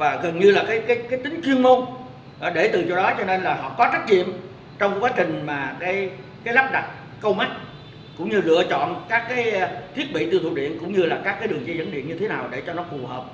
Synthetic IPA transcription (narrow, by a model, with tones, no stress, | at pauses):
vaː˨˩ɣə˨˩nɲɨ˧laː˨˩kaː˨˦jkaː˨˦jkaː˨˦jt̪ï˨˦ŋ̟t͡ɕwi˧ənmo˧n˨˧ | ɗe˧˩t̪ɨ˨˩t͡ɕo˧˩ɗɔ˨˦t͡ɕɔ˧ne˧nlaː˨˩ɦɔ̰˧˨kɔ˨˦t͡ɕa˦˥t̚ɲḭ˧˨əm | t͡ɕɔ˧wŋ͡mkwaː˨˦t͡ɕï˨˩ŋ̟maː˨˩kaː˨˦j | kaː˨˦jla˦˥p̚ɗa˨˩t̚ | kə˧wma˦˥t̚ | kʊ̰˧˥ŋ͡mɲɨ˧zɨ̰˧˨ət͡ɕɔ̰˧˨nkaː˦˥kːaː˨˦jt̪ʰi˦˥ət̚ɓḭ˧˨t̪ɨ˧˩t̪ṵ˨˩ɗḭ˧˨ənkʊ̰˧˥ŋ͡mɲɨ˧laː˨˩kaː˦˥kːaː˨˦jɗɨ˨˩əŋt͡ɕə˧jzə̰˧˥nɗḭ˧˨ənɲɨ˧t̪ʰe˨˦naː˨˩wɗe˧˩t͡ɕɔ˧nɔ˨˦fu˨˩ɦəː˨˩p̚